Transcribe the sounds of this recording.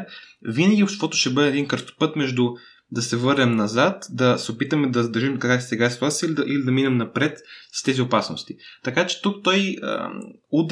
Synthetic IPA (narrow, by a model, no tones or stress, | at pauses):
vinɐɡ̟ʲiʊʃt̪vɔt̪ʊʃt̪ɛbɤd̪ɛːd̪inkəɾst̪o̥pɤt̪mɛʒd̪u | d̪ɐsɛvɤɾnɛmnɐzat̪d̪ɐsɛʊpit̪əmɛd̪ɐzd̪ɐɾʒimkɐkɾasisɛɡaɛst̪vasʲəilid̪ɐʔilid̪ɐminɛmnɐpɾɛt̪st̪ɛziʊpasno̰st̪it̪ɐkat͡ʃɛ̥t̪uk̚t̪ɔjə̰ | ud̪